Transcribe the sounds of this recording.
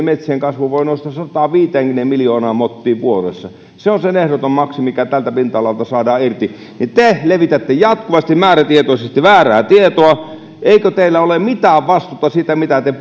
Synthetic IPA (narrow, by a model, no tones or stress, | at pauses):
met̪sieŋkɑsʋuʋoˑinoˑst̪ɑssɑt̪ɑʋiːt̪eːŋkymnemmiljoːnɑːmot̪ːiːʋʋuorḛsːɑ | seonsenehɾot̪ommɑksimikæt̪ælt̪æpint̪ɑlɑlt̪ɑsɑːdɑːirt̪i | nit̪eleʋit̪æt̪ːejɑt̪kuʋɑst̪immæːræt̪iet̪oˑisest̪iʋæːræːt̪iet̪oɑ | ʔeˑikøt̪eilːæolemmit̪æːʋʋɑst̪ut̪ːɑsit̪æmit̪æt̪e